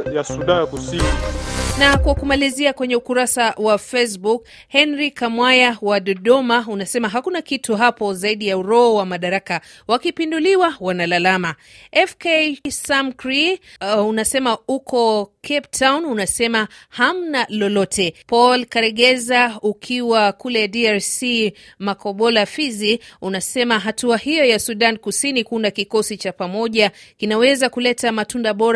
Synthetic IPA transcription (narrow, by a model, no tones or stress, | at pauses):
jasuɗajakusininakwakumaliziakwɛɲɛukuɾasawafes̬buk | hɛnɾikamwajawaɗɔɗɔmaunasɛmaɦakunakituɦapɔzaiɗijauɾɔɔwamaɗaɾaka | wakipinduliwawanalalama | ɛfkesamkɾiunasɛmaukɔkʰɛptʰawnunasɛmaham̩nalɔlɔtʰɛpɔlkɛɾɛɠɛzaukʰiwakulɛdiaɾsi | makɔɓɔlafiziunasɛmaɦatuahijɔjasuɗankusinikuundakikɔsit͡ʃapamɔʄakinawɛzakulɛtamatundaɓɔɾ